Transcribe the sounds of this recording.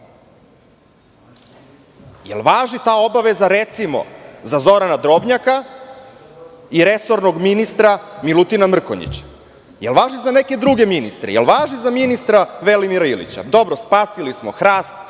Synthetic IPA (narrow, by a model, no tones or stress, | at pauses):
jḛlˠʋaːʒit̪aːo̞baʋe̞zaɾe̞t̪simo̞̰zazo̞ɾanad̪ɾo̞bɲaka | iɾe̞so̞ɾnoɡminist̪ɾamilut̪inamr̩ko̰ɲḭt͡ɕḁ | jelʋaːʒizane̞ke̞d̪ɾuɡe̞minist̪ɾḛjelʋaːʒizaminist̪ɾaʋe̞limiɾailḭt͡ɕa̰d̪o̞bɾospaːsilismoxɾaːst̪